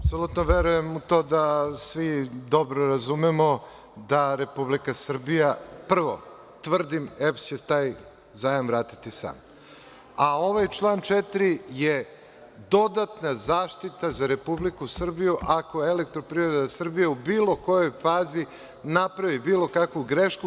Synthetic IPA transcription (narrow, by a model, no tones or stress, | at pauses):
apsolut̪noʋeɾuje̞mut̪o̞ːd̪asʋid̪o̞bɾoɾazumemo | d̪aɾe̞publikasr̩bijapr̩ʋo̰ | t̪ʋr̩d̪imepst͡ɕet̪aːj | zaːjamvɾaːt̪i̥t̪isa̰ːm | ao̞ʋajt͡ʃlˠaːnt͡ʃet̪ɾije | d̪o̞d̪at̪nazaːʃt̪it̪azaɾe̞publikusr̩bijuʔako̞elek̚t̪ɾo̞pɾivɾed̪asr̩bijeubiːlˠo̞ko̞jo̞jfaːzi | napɾaʋibiːlo̞kakʋuɡɾeʃku